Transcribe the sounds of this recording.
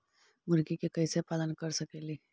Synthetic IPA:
mʊɾɡikekəisepaːlənkəɾsəkeli

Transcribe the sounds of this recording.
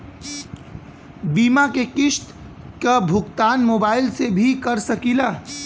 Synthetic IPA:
biːmakekɪʃt̪ | kabʱʊkt̪aːnmoːbaːɪlsebʱikəɾsəkilaː

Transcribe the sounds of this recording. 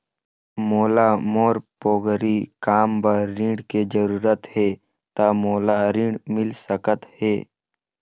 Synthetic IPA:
moːlamoːɾpoːɡɾikaːmbəɾɾĩɖked͡ʒəɾuːɾət̪heː | t̪amoːlaɾĩɖmɪlsəkət̪heː

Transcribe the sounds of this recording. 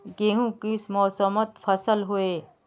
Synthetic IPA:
ɡeɦũkismɔːsəmət̪fʰɐsəlɦoeː

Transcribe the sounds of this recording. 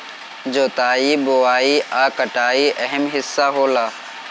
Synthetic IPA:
d͡ʒoːt̪aːiːboaːiːʔaːkəʈaːiːʔɐɦəmɦɪsːaːɦoːlaː

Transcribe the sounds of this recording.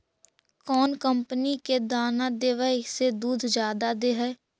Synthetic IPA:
kɔːnkəmpəniked̪aːnad̪eːʋəised̪uːd̪ʱd͡ʒjaːd̪ad̪eɦɛː

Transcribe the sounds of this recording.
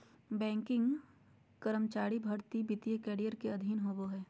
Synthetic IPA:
bɛ̃ːŋkɪ̃ŋɡ | kəɾəmt͡ʃaːɽibʱɐɽt̪ibɪt̪ijəkɛːɽijəɾkeɐd̪ʱiːnɦoːboɦɛː

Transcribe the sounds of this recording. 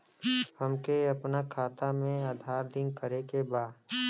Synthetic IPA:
hɐmkeɐpnakʰaːt̪amẽaːd̪ʱaːɾd̪ɪ̃ŋkəɾekebaːd̪

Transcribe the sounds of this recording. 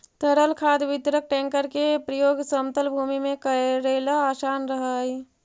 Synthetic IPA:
t̪əɾəlkʰaːd̪ʋɪt̪ɾək̚ʈɛ̃ːŋkəɾkepɾəjoːɡsəmt̪əlbʱuːmimẽkəɾeːlaːsaːnɾəɦəi

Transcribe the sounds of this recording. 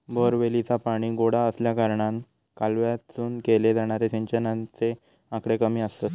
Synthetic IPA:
bəɾʋelit͡sapaɽ̃iːɡoɽaəsljakaɾɳãn | kalʋjat͡suːnkeled͡zaɽ̃aɾetẽɲt͡ɕənãnt͡se | ãkɽekəmiːəst̪ə

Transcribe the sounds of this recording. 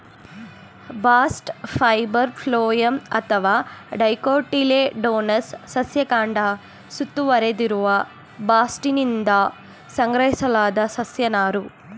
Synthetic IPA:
baːsʈpʰɐjbɐɾpʰloːjɐmɐ̰t̪ʰɐʋaːɖɐjkoːʈileɖoːnɐsːɐsjɐkaːɳɖɐ | sut̪ːuʋɐɾed̪iɾuʋɐ | baːsʈinind̪ɐ | sɐŋɡɾɐɦisɐlaːd̪ɐsɐsjɐnaːɾu

